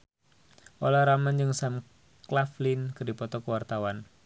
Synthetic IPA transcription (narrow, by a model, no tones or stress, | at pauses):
ʔolaɾamand͡ʒɨŋsam | klaflinkərdipɔt̪ɔkəwart̪awan